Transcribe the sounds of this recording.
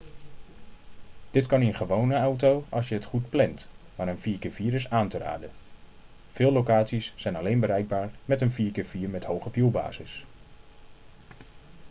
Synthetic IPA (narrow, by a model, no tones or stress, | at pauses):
d̥ɪtkɑnɪnχəʋownəawtowɑ̰lˠsjəɦətχut̚plɛntmaːɾənviːɹkɪːɹviːɾɪsaːntəra̰ːdə | v̥ɪːlˠowkaːtsisːɛjnɑlejnbəɾɛjɡ̚baːɹmɛtənfiːɹkɪːɹv̥iːɹmɛthowχəvjulˠba̰ːzɪs